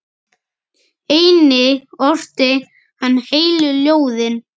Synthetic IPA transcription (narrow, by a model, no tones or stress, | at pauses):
eːjnɪɔr̥t̪ɪ | hanːheːjlʏljoːwðɪn